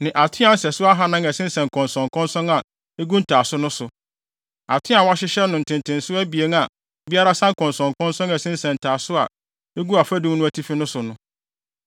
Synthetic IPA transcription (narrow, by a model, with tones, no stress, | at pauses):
nɪ̃˨ʔa˨tʰɪ˦ã˦n̩˦sɛ˨sʊ˦a˦ɦa˦nã˦ŋɛ˨sɪ̃˦n˦sɛ̃˨ŋ˨kʰɔ̃˨nsɔ̃˨ŋkʰɔ̃˦nsɔ̃˦na˨ | e˦ɡu˦n̩˦tʰaː˨sʊ˦nʊ̃˦sʊ˨ | a˨tʰɪ̃˦a˨wa˦ɕɪ˦ɕɛ˦nʊ̃˨n̩˨tʰɪ̃˨ntʰɪ̃˨n˨sʊ˦æ˦bi˨e˨˦ŋa˨ | bi˦a˦ɾa˦sã˦ŋ˦kʰɔ̃˨nsɔ̃˨ŋkɔ̃˦nsɔ̃˦ŋɛ˨sɪ̃˦n̩˦sɛ̃˨n̩˨tʰaː˨sʊ˦a̰˨ | e˦ɡu˦a˨fæ˦dũ˦m˦nʊ̃˦æ˦tʰi˦fi˦nʊ̃˦sʊ˨nʊ̃˦